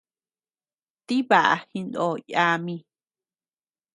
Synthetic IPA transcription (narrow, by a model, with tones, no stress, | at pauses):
t̪i˦βa˨ʔa̰˧hi˧nd̪o˧ja˧mĩ˧